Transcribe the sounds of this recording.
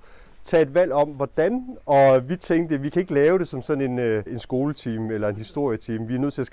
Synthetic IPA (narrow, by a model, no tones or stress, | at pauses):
t͡sʰɛ̰ːed̥ʋæl̰ɒ̽m̰ʋɒd̥ænɒ̽ʋit͡sʰeŋd̥əʋikʰæe̝ɡ̥əlɛːʊɾ̥e̝sɒ̽msɒ̽n̩e̝nøe̝nsɡ̥o̝ːlət͡sʰiːmelɐe̝nhisd̥o̝ɐ̰jət͡sʰiːmʋiɐnøð̰ˠt͡sʰe̝læs